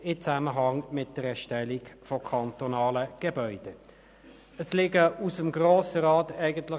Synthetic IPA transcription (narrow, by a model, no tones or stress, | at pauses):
ɪt͡sæməɦɑŋmɪt̚d̥əʁɛʃtɛlikfɔkʰɑntonɑːləɡ̥ebœʏd̥ə | əslɪɡəusəmɡʁoːsəɾɑːtæɪɡəntlɪ